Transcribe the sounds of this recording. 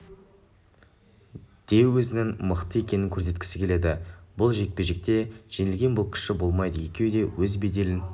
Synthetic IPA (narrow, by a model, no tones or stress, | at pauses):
d̪̥e̞wːɵzɪnɪŋməqt̪əe̞kʲe̞nɪŋkʲʰɵɾs̬e̞t̪kʲɪ̥sɪ̥kʲʰe̞le̞d̪ɪbʊlˠʒe̞k̚peʒek̚t̪e̞ʒ̥e̞nɪlɡʲe̞nbʊlˠkʲʰɪ̥ʃɪbo̞lˠmɑjd̪əjekʲe̞wd̪e̞wɵzbed̪e̞lɪn